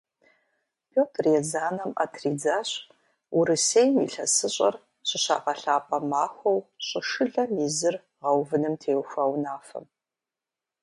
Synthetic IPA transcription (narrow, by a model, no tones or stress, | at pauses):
pʰoːtʰrjezaːnɐma̰ːtʰriːd͡zaːɕ | uɾɨseːjmḭɬɐ̰sɨɕʼɐ̰r | ɕɪɕa̰ːqɐɬaːpʼɐmaːxʷɐwɕʼɪʂɨɮɐmiːzɨr | ʁɐwvɨnɨmtʰeːwxʷawnaːfɐ̰m